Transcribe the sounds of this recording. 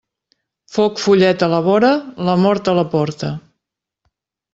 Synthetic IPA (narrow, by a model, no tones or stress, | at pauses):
fokfuʎɛt̪ələβɔɾələmɔɾt̪ələpɔɾt̪ə